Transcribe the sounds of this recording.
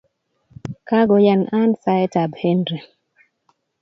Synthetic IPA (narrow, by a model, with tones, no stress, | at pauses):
ka˦ɡɔ˨ja˨na˦nsa˦ɛ˦ta˨bhe˦ndɾe˨